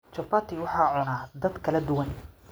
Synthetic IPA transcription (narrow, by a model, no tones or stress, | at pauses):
t͡ʃɔpaːt̪ʰiwɑħɑːʕʊnaːd̪ɐd̪kʰɐlɐd̪ʊwɐn